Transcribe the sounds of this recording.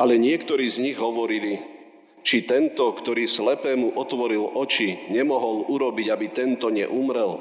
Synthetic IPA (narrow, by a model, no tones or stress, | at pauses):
ʔalɛɲɪɛkt̪ɔɾiːzɲiɣɦɔʋɔɾili | t͡ʃit̪ɛnt̪ɔkt̪ɔɾiːslɛpɛːmuʔɔt̪ʋɔɾilɔt͡ʃiɲɛmɔɦɔluɾɔbiɟabit̪ɛnt̪ɔɲɛ̰ʔumɾɛl